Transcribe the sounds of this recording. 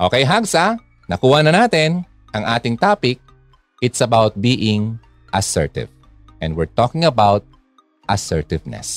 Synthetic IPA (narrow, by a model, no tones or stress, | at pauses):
ʔoːkɛjɦaɡsa | nɐkuːhɐnɐnaːt̪ɪn | ʔɐŋʔaːt̪ɪŋt̪aːpɪk̚ | ʔɪt̪sɐbawt̪̚biːʔɪ̃ŋ | ʔɐsɛɹt̪ɪ̰v | ʔɛnd̪wɪɹt̪okɪ̃ŋɐbawt̪̚ | ʔɐsɛɹt̪ɪvnɛ̰s